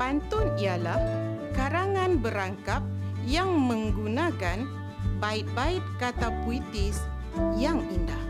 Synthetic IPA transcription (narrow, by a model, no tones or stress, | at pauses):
pant̪ʊnialah | kaɾaŋanbəɾaŋkap̚jaŋmə̃ŋɡunakan | baɪt̪̚baɪt̪̚kat̪apuit̪ɪs | jaŋindah